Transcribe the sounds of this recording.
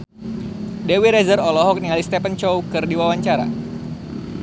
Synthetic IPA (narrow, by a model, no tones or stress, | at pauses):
dewiɾɛzərɔlɔɦɔk̚niŋalist̪ɛpənt͡ʃɔwkɨrdiwawaɲt͡ʃaɾa̰